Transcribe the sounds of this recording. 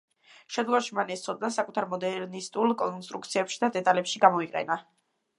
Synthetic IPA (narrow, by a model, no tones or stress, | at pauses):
ʃɛd̪ɡɔvaʃimanɛst̪sʰɔd̪̚nasakʼut̪ʰaɾmɔd̪ɛɾnist̪ʼulˠkʼɔnst̪ʼɾuk̚ʰt̪sʰiɛpʃi̥d̪ad̪ɛt̪ʼalɛpʃiɡamɔiqʼɛ̰na